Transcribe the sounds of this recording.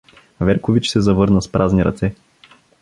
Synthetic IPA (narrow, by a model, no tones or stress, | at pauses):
vɛɾkovit͡ʃsɛzɐvɤɾnəspɾʔazniɾɐ̰t̪sɛ